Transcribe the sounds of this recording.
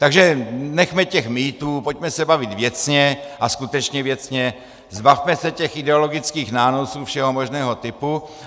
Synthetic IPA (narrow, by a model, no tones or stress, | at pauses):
t̪aɡʒɛnɛxmɛcɛxmiːt̪uːpo̞cmɛsɛbavɪt̪vjɛt͡sɲɛʔaskut̪ɛt͡ʃɲɛvjɛt͡sɲɛ | zbafmɛsɛcɛxɪdɛolo̞ɡɪt͡skiːxnaːno̞suːfʃɛɦo̞moʒnɛːɦo̞t̪ɪpu